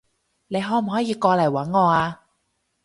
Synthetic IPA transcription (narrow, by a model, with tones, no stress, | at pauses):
le˨˧jɦɔː˥˩m˨ɦɔː˨˥jiː˨˧kɔː˧lɐ˨˩jwɐ˨˥nŋɔː˨˧aː˧